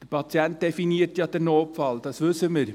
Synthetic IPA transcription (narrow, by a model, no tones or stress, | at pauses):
d̥əɾpʰɑt͡sjɛnt̪̚d̥ɛfiniːɾtjɑd̥ɛɾnoːpfɑld̥̪ɑsʋɵsːəməɾ